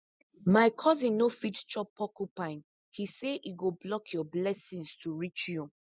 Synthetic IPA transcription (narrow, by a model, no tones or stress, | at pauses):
maɪkʰɔzĩnːofitt͡ʃɔpʰɔkupãɪ̃n | hiseʔiɡoblɔkʰjɔblɛsĩnstuɹit͡ʃju